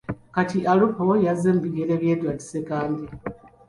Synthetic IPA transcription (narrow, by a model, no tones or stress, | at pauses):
katiʔalupojazeːmbiɡeɾeβjeːdwati̥sekaːndi